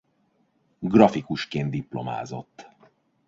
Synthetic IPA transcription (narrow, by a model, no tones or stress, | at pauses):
ɡrɒfikuʃkeːnd̪̚d̪iplo̞̰ma̰ːzo̞̰t̪ː